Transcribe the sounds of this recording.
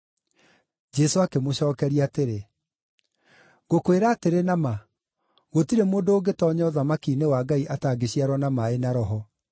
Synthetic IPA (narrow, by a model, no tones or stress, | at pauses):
d͡ʒɛsoakemoɕɔːkɛɾiateɾe | ɣokweɾaːteɾenama | ɣotiɾemoːndoːɡetɔɲɔðamakinewaːɡaiʔataːɡeɕiaɾwɔnamaenaɾɔɦɔ